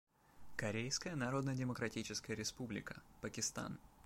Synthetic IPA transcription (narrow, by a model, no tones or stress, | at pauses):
kɐɾʲejskəjənɐɾo̞d̪nədʲɪməkɾɐtʲit͡ɕɪskəjəɾʲɪspublʲɪ̰kə̥pəkʲɪst̪a̰n